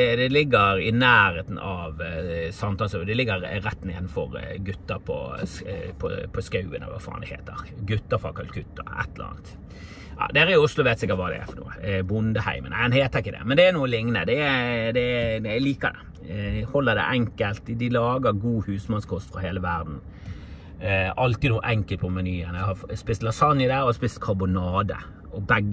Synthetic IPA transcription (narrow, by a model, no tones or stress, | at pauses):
d̪ɛlɪɡːəɾɪnæːɾeːt̪n̩ɑʋsɑmt̪ʰɑːlsd̪ɪlɪɡːəɾɾɛt̪ːnḛːd̪n̩fɔɾɡʉt̪ːəɾpʰɔ̰ | pʰɔ̰pʰɔskɑʉənɑ̰ʋɑ̰fɑ̰ːnd̪ɪhḛːt̪əɾɡʉt̪ːəɾfɾɑ̰kʰɑlkʰʉt̪ːəɾɛ̰t̪ːləɾɑ̰ːnt̪ | jɑ̰d̪ɛæɾɪjʊʊslʊʋeːt̪sɪkːət̪ʋɑːd̪ɛ̰æ̰fɔnṵːə̰bʊnd̪əhæ̰ɪmə̰nmɛnheːt̪əɾɪkːəd̪ɛ̰mɛnd̪ɛænuːəlɪŋnə̰d̪ɛɛd̪ɛliːkəd̪ɛ̰ | hɔlːəd̪ɛ̰ʔɛŋkəlt̪d̪ɪlɑːɡəɾɡuːhʉːsmɑnskʰɔst̪fɾɔɦeːləʋæɾd̪n̩ | ʔɑlt̪ɪnuːʔɛŋkəlt̪pʰɔmɑnyːənɛhɑspɪst̪lɑsɑnjɪd̪æɾɔhɑspɪst̪kʰɑbʊnɑːd̪ə̰ | ɔbɛɡː